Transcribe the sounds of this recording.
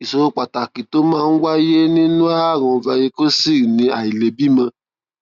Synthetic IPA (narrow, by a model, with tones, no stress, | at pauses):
i˨so˧ɾo˧k͡pa˨ta˨ki˨to˨˦mãː˦˧˨n̩˦wa˦je˦nĩ˦nũ˦a˦˨ɾ̃ɔ̃˧vɛ˧je˧ko˦si˦˨nĩ˧˦a˨i˨le˨bi˦mã˧